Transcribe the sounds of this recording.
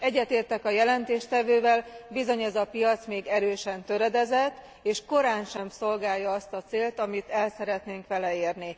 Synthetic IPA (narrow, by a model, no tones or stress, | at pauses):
ɛɟːɛt̪eːrt̪ɛkɒjɛlɛnt̪eːʃt̪ɛvøːvɛlbizo̞ɲɛzɒpijɒt̪smeːɡɛɾøːʃɛnt̪ø̞ɾɛd̪ɛzɛt̪ː | eːʃko̞ɾaːnʃɛmso̞lɡaːjːɒɒst̪ɒt̪seːlt̪ɒmit̪ɛlsɛɾɛt̪neːŋkʋɛlɛeːrni